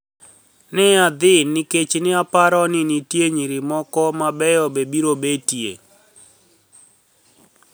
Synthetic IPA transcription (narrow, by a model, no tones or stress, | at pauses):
nɪad̪ɪnɪket͡ʃnɪapaɾɔnɪnitjeɲiɾɪmɔkɔmabɛjɔbebiɾobetjḛ